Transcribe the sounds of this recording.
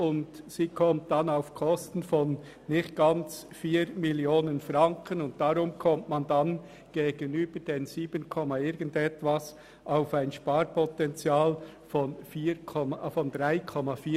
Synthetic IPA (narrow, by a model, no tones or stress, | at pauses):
ʊnd | siːkʰɔmt̚d̥anaʊfkʰɔstən̩fɔnː | ɪχt̚ɡ̥ɑnt͡sfiːɾmiljoːnənfrɑŋkʰənʊnt̚d̥aɾʊmkʰɔmtmandan | ɡ̥eːɡənyːbəd̥eːnziːbənkʰɔmaɪɾɡən̩dɛtvas | ʔaʊfaɪnʃpaːɾpʰɔtɛnt͡sjaːlfɔnfiːkʰɔfɔndɾaɪkʰɔmafiː